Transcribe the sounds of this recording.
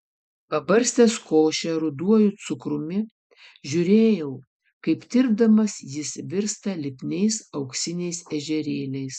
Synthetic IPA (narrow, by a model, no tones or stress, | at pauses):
pɐbɐɾʲsʲt̪ʲɛskoːʃʲɛɾʊd̪uɔjʊt̪sʊkɾʊmʲɪ | ʒʲʊɾʲeːjɛʊ | kɐɪpt̪ʲɪɾb̚d̪ɐmɐsjɪsʋʲɪɾst̪ɐlʲɪpʲnʲɛɪsɐʊksʲɪnʲɛɪsɛʒʲɛɾʲeːlʲɛɪs